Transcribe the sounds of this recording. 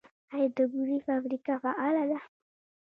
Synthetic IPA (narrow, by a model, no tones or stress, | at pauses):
ajad̪əɡuɾifabɾikafaʔalad̪a